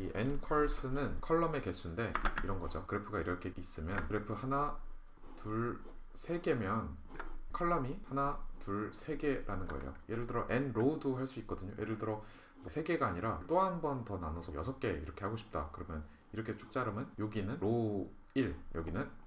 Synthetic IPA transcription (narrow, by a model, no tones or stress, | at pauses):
iʔe̞nkʰʌɭs͈ʰɯnɯnkʰʌɭːʌme̞ke̞s͈ʰunde̞iɾʌnɡʌd͡ʑo̰kɯɾepʰɯɡaiɾʌkʰe̞ʔis͈ɯmjʌnkɯɾepʰɯhana | tuɭ | sʰe̞ɡe̞mjʌn | kʰʌɭːʌmihanatuɭsʰe̞ɡe̞ɾʔanɯnɡʌḛjo̰je̞ɾɯɭdɯɾʌʔe̞nɾoudohaɭs͈uik͈̚ʌdɯɲojeɾɯɭdɯɾʌ | mʌsʰe̞ɡe̞ɡaːɲiɾat͈oɦanbʌntʌnanosʰʌjʌsʰʌp̚k͈e̞iɾʌkʰe̞haɡoɕʰi̥p̚t͈akɯɾʌmjʌn | iɾʌkʰe̞t͡ɕʰu̥k̚t͡ɕ͈aɾɯmɯnjoɡinɯnɾo | iɭjʌɡinɯn